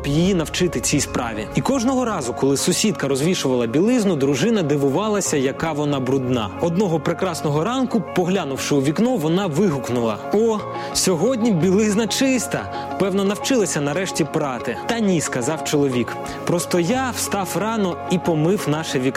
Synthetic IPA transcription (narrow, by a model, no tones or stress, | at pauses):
bjijinɐwt͡ʃɪt̪ɪt͡sʲijspɾɑ̰ʋʲḭikɔʒnɔɦɔɾɑzʊkɔlˠɪsʊsʲid̪̚kɐɾɔzʋʲiʃʊʋɐlˠɐbʲilˠɪznʊd̪ɾʊʒɪnɐd̪ɪʋʊʋɑlˠɐsʲɐjɐkɑʋɔnɑbɾʊd̪nɑ̰ɔd̪nɔɦɔpɾekɾɑsnɔɦɔɾɑnkʊpɔɦlʲanʊwʃɪuʋʲiknɔʋɔnɑʋɪɦʊknʊlˠɐ̰ | ɔ | sʲɔɦɔdʲnʲibʲilˠɪznɐt͡ʃɪst̪ɐ | pɛwnɔnɐwt͡ʃɪlˠɐsʲɐnɐɾɛʃtʲipɾɑt̪ɪt̪ɐnʲiskɐzɑwt͡ʃɔlˠɔʋʲik | pɾɔst̪ɔjaw̥st̪ɑwrɑnɔipɔmɪwnɑʃɛʋʲik